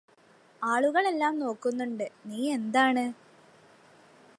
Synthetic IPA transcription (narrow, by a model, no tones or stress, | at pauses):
aːɭuɣɐɭe̞lːaːmno̞ːkːunːuɳɖɨniːe̞nd̪aːɳɨ